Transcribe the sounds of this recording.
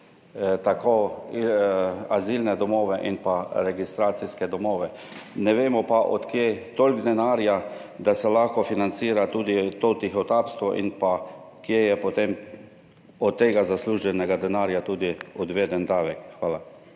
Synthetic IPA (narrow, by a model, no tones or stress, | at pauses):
t̪ako | azilnɛd̪ɔmoːʋɛʔinpaɾɛɡist̪ɾaːt̪siskɛd̪ɔmoːʋɛ | nɛʋeːmɔpaʔɔt̪kjet̪olʲɡd̪ɛnaːɾjad̪asɛlaxkɔfinant̪siːɾat̪uːd̪it̪oːt̪ixɔt̪aːpst̪ʋɔʔḭnpa | kjejɛpɔt̪em | ɔt̪ːeːɡazasluːʒɛnɛɡad̪ɛnaːɾjat̪uːd̪iɔd̪ʋeːd̪ɛnd̪aːʋɛkxʋaːla